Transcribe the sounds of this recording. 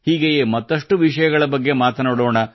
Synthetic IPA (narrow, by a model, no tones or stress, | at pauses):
hiːɡejeːmɐt̪ːɐʂʈuʋiʂɐjɐɡɐɭɐbɐɡːemaːt̪ɐnaːɽoːɳɐ